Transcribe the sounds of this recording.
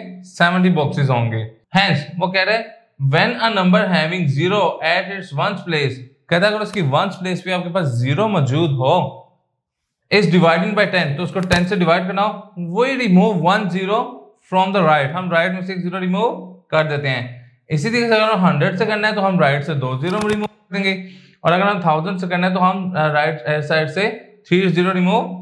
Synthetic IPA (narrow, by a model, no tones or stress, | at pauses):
sɛʋə̃ɳʈ̬ibɔːksɪzɦõːŋɡeː | hɛ̃ːnsʋoːkɛɦɾeɦɛ̃ː | ʋɛnənɐ̃mbəɾɦɛːʋɪ̃ŋɡziːɾoʔɛːʈɪʈsʋɐ̃nspleːskɛːt̪akɐɾoʊskiʋɐnspleːspeaːp̚kepaːsziːɾomɔːd͡ʒuːd̪ɦoː | ɪsɖɪʋaːɪɖɪ̃ŋbaɪʈɛ̃nt̪oʊskoʈɛ̃nseɖɪʋaːɪɖ̚kɐɾnaːoʋoːiɾɪmuːʋːɐnziːɾo | fɾɔːmd̪əɾaːɪʈɦɐmɾaɪʈmẽsɪksziːɾoɾɪmuːʋkɐɾd̪eːt̪eɦɛ̃ː | ɪsid̪iseɐɡəɾɦɐ̃mɦɐ̃ɳɖɾəɖsekɐɾnaɦɛ̃t̪oɦɐmɾaːɪʈsed̪oːziːɾomẽɾɪmuːʋd̪ẽːŋɡe | ɔːɾɐɡəɾɦɐmt̪ʰaːʊzə̃ɳɖsekɐɾnãɦɛ̃t̪̬oɦɐmɾaːɪʈeːɖsaːɪɖset̪ʰɾiːziːɾoɾɪmuːʋ